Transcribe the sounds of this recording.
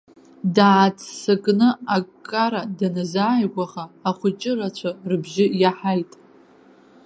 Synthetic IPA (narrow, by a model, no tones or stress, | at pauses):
daːt͡sʰsɨkʼnɨakkʼːaɾadanazaːjɡʷʼaʁaːχʷʊt͡ʃʼɪrat͡ɕʷʰarɨbʒɪjaħajtʼ